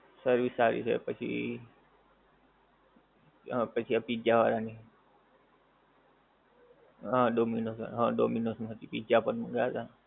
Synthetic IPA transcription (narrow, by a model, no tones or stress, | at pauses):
səɾʋisaːɾḭsʰḛpət͡ʃʰḭ | pət͡ʃʰiapid͡ʒaʋaːɾaːni | ɦãːɖoːminoːsə̰nɦãːɖo̰ːminosnɦət̪ipid͡ʒapənmə̃ɡaːt̪aː